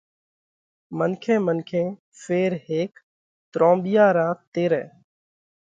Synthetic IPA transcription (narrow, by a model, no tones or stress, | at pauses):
mənkʰẽːmənkʰẽː | feːɾɦeːk | t̪ɾõːmɓɪjaːɾãːt̪eːɾɛ̰̃ː